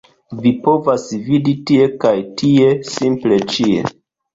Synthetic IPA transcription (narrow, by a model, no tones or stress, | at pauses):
vipo̞vasviditie̞kajtie̞simple̞t͡ʃie̞̰